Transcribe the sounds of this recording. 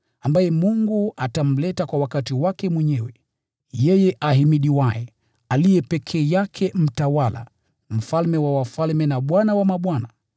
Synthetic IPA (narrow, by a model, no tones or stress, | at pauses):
ambajɛmuŋɡuatam̩lɛtakwawakatiwakɛmwɛɲɛwɛ | jɛjɛʔaɦimiɗiwajɛ | alijɛpɛkʰɛːjakʰɛm̩tawala̰ | m̩falmɛwawafalmɛnaɓwanawamaɓwana